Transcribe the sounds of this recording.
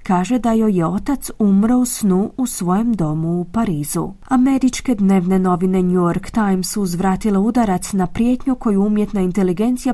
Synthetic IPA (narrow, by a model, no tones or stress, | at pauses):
kaːʒe̞d̪ajo̞jeo̞t̪at̪sumɾousnuʔusʋo̞je̞md̪o̞muːpaɾiːzṵ | ame̞ɾit͡ʃke̞d̪ne̞ʋne̞no̞ʋine̞ɲujoɾkt̪ajmsːuːzʋɾaːt̪ileud̪aɾat̪snapɾje̞t̪ɲuko̞juumje̞t̪naint̪e̞liɡe̞nt̪sija